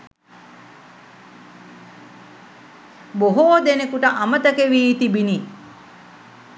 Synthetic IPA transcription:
boɦoːd̪enekuʈəʔamət̪əkeʋiːt̪ibini

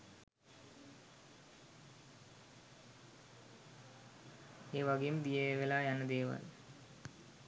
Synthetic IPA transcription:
eːʋaɡejumd̪ijeʋelaːjanəd̪eːʋa̰l

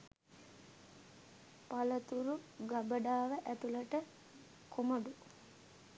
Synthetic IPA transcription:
palət̪uɾuɡabəɖaːʋəʔæt̪uləʈə | kʰoməɖu

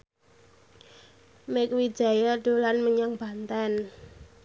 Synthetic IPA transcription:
mɪkwid̥d͡ʒ̥a̤jaɖ̥o̤lanməɲaŋb̥ant̪an

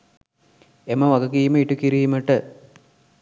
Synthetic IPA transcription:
eməʋɐɡɐkiːməiʈukiɾiːməʈə

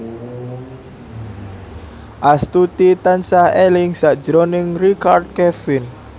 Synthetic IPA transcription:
ʔast̪ut̪it̪ansahelɪŋsaʔd̥d͡ʒɾonɪŋrikard̪̚kɛfɪn

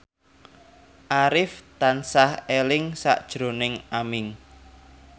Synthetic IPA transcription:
ʔaɾɪft̪ansahelɪŋsa̰ʔd̥ʒ̥ɾo̤nɪŋamɪŋ

